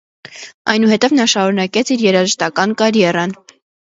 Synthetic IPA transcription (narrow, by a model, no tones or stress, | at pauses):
ɑjnuhɛt̪ɛvnɑʃɑɾunɑkɛt͡sʰiɾjɛɾɑʒəʃt̪ɑkɑnkɑɾjɛrɑn